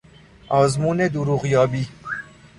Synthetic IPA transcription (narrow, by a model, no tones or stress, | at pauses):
ʔɒːzmuːned̪uɾuːɣjɒːbiː